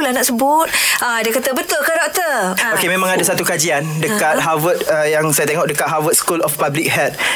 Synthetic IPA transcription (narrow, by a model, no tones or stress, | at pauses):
lahnaʔsəbʊt̪̚ʔadakat̪əbət̪ʊlkadɔk̚t̪əokemẽmãŋadasat̪ukad͡ʒiandəkat̪̚ɦawət̪̚əjaŋsajat̪eŋɔʔk̚dəkat̪̚ɦawət̪̚skulɔfpablik̚hɛt̪̚